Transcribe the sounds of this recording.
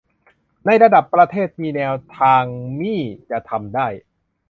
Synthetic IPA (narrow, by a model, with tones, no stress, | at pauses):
na˧jɾa˧da˨˩pːɾa˧t̪ʰeː˥˩t̪̚miː˧nɛː˧wt̪ʰaː˧ŋmiː˥˩t͡ɕa˨˩t̪ʰa˧mdaː˥˩j